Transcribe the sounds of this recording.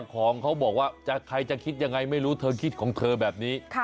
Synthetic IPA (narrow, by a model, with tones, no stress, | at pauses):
kʰɔː˩˦ŋkʰa˦˥wbɔː˨˩k̚waː˥˩t͡ɕa˨˩kʰa˧jt͡ɕa˨˩kʰi˦˥t̪̚ja˧ŋːa˧jma˥˩jɾuː˦˥t̪ʰɤː˧kʰi˦˥t̪̚kʰɔː˩˦ŋt̪ʰɤː˧bɛː˨˩p̚niː˦˥